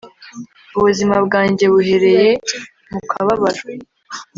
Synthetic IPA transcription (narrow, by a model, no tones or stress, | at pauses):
uβuzimabɡaːɲɟe̞βuɦe̞ɾe̞je̞ | mukʰaβaβaɾa